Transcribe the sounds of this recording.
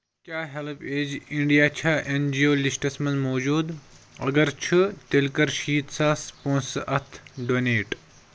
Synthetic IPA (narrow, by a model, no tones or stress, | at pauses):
kʲjaːɦelpʰeːd͡ʒiɳɖijaːt͡ʃʰaːʔend͡ʒioːlisʈɐsmɐ̃nmoːd͡ʒuːd̪ | ɐ̰ɡɐɾt͡ʃʰɨt̪elkɐɾʃiːt̪saːspõːnsʔɐt̪ʰɖoːneːʈ